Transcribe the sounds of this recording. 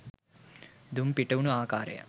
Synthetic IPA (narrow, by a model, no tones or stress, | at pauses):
d̪umpiʈəʋunuaːkaːɾḛjə̰